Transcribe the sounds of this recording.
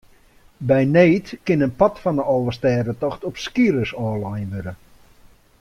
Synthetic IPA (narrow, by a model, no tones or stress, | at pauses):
bɛjneːtkɪnənpɔtfɔndəʔɔlˠʋəstɛːdətɔxtɔpskiɾəsɔːlajnʋøɾə